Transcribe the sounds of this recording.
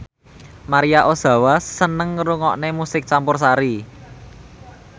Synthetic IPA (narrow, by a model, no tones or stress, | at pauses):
maɾijaʔosä̤wasənəŋːɾuŋɔʔnemusɪk̚t͡ʃampʊrs̬aɾi